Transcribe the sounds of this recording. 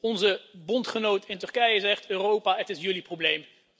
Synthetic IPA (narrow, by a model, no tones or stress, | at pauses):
ɔnzəbɔntχənowtɪntɵrkɛjəzɛχtøːrowpaːətɪsjɵliproblejm